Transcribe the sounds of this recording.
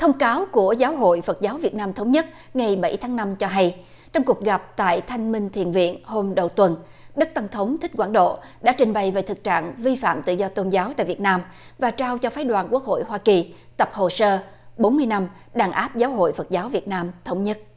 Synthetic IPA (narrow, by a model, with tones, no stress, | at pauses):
t̪ʰə˧wŋ͡mkaː˨˦wku˧˩əzaː˨˦wɦo̰˧˨jfə˨˩t̚zaː˨˦wvi˨˩ət̚naː˧mt̪ʰə˨˦wŋ͡mɲə˦˥t̚ | ŋa˨˩jɓa˧˩jt̪ʰaː˨˦ŋna˧mt͡ɕɔ˧ɦa˧j | t͡ɕɔ˧wŋ͡mku˨˩ək̚ɣa˨˩p̚t̪a̰ː˧˨jt̪ʰa˧jŋ̟mï˧ŋt̪ʰḭ˧˨ənvḭ˧˨ənho˧mɗə˨˩wt̪wə˨˩n | ɗə˦˥k̚t̪a˧ŋt̪ʰə˨˦wŋ͡mt̪ʰi̟˦˥kwaː˧˩nɗo̰˧˨ | ɗa̰ː˧˥t͡ɕï˨˩ŋ̟ɓa˨˩jve˨˩t̪ɨ˨˩k̚t͡ɕa̰ː˧˨ŋvi˧fa̰ː˧˨mt̪ɨ̰˧˨zɔ˧t̪o˧nzaː˨˦wt̪a̰ː˧˨jvi˨˩t̚naː˧mvaː˨˩t͡ɕaː˧wt͡ɕɔ˧faː˨˦jɗwaː˨˩nku˦˥ək̚ho̰˧˨jɦwaː˧ki˨˩ | t̪ə˨˩p̚ho˨˩səː˧ | ɓo˨˦nmɨ˧əjna˧m | ɗaː˨˩ŋʔaː˦˥p̚zaː˨˦wɦo̰˧˨jfə˨˩t̚zaː˨˦wvi˨˩ət̚naː˧mt̪ʰə˨˦wŋ͡mɲə˦˥t̚